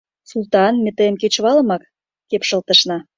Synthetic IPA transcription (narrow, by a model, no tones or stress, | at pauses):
sult̪ɑnmʲĕt̪emket͡ɕβɑlə̆mɑk | kepʃə̆lt̪əʃnɑ